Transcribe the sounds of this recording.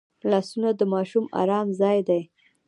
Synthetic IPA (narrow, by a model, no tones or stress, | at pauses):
lɑsunad̪əmɑʃumɑ̰ɾɑmzɑjd̪aj